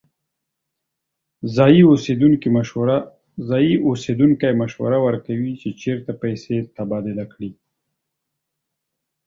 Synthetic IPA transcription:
zɑjiosed̪uŋkimaɾa | zɑjiʔosed̪uŋkajmaʃwa̰ɾawəɾkawit͡ʃet͡ʃeɾt̪apajset̪abɑd̪ɪlakɽi

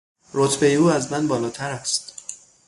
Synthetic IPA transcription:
ɾot̪ʰbe̞jeuːæzmænbɒːlɒːt̪ʰæɾæst̪

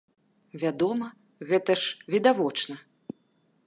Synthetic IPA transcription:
vʲad̪ɔmɐ | ɣɛt̪ɐʂvʲid̪avɔt͡ʂnɐ

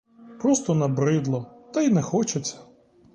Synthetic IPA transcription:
pɾɔst̪ɔnɐbɾɪd̪lˠɔt̪ɐjnɛxɔt͡ʃet͡sʲːɐ̥

